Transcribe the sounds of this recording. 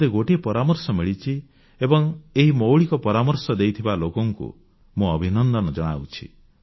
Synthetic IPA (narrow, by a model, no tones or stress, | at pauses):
eɡoʈiepɔɾamɔɾsɔmiɭit͡ʃʰi | ebɔŋeɦimowɭikɔpɔɾamɔɾsɔd̪ejt̪ʰibalokɔŋkṵ | muɔbʱinɔnd̪ɔnɔd͡ʒɔɽ̃a̰wt͡ʃʰḭ